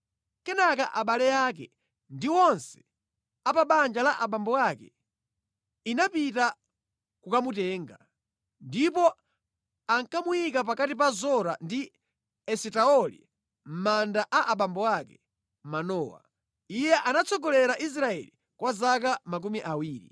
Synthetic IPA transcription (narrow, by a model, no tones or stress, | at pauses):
kɛnakaʔaɓalɛjak̬ɛ̰ | ndiwɔnsɛ̥ | apaɓand͡ʒalaʔaɓambɔwakɛ̰ | inapita | kukamutɛːŋɡa | ndipɔ | aŋkamujikap̬akatip̬azɔɾandi | ɛsɛtaɔlḭ | m̩mandaʔaʔaɓambɔwakɛ | manɔːwa̰ | ijɛʔanat͡sɔɡɔlɛɾaʔis̬ɾaɛ̰li | kwazak̬amak̬umiʔawiːɾḭ